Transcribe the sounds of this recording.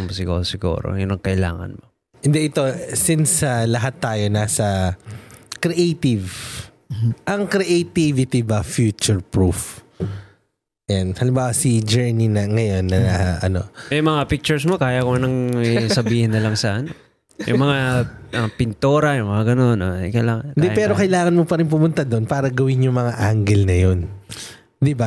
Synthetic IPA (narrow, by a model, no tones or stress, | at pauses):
ŋmosɪɡṵːsɪɡṵːɾo̰jʊnɐŋkɐʔɪla̰ːŋɐ̰nmo | ʔɪnd̪ɛʔɪt̪o̞sinsɐlɐɦat̪ːaːjo̞naːsɐ | kɾɛʔejt̪ɪv | ʔɐŋkɾɛʔejt̪ivɪt̪ibɐfjut͡ʃʊɹpɹuf | janhɐlɪmbaːwɐsid͡ʒɛɹninɐŋɐjo̞nːɐʔɐ̰no̞̰mɛjmɐŋapɪk̚t͡ʃʊɹsmokaːjɐkoɐnɐŋɛsɐbbiːhɪnːɐlɐŋsɐʔɐno | jʔʊ̰ŋmɐŋaʔɐpɪnt̪oɾɐjʊŋmɐŋaɡɐno̞noɐjkɐlaːŋnd̪ɛpɛːɾokɐjlaːŋɐnmopɐɾɪnp̬ʊmʊnt̪ad̪o̞npaːɾɐɡɐwɪnjʊŋmɐŋaʔaŋɡɛlnɐjon | d̪ɪba